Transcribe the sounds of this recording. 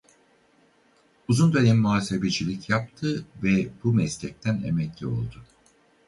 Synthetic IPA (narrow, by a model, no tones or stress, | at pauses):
uzund̪ø̞nɛmːuɦaːsebed͡ʒilʲicʰjap̚t̪ʰɯvɛbumɛslʲɛc̚t̪ʰænḛmɛclʲio̞̰lˠd̪ʊ